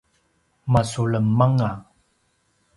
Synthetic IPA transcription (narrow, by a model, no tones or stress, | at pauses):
masuɭəmːaŋa